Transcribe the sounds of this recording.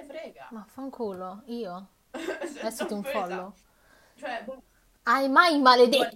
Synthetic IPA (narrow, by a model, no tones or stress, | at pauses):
mafaŋkʰuːloiːo | ɛsit̪uɱfɔlːʊ | t͡ʃ | ajmajmaled̪et̪ː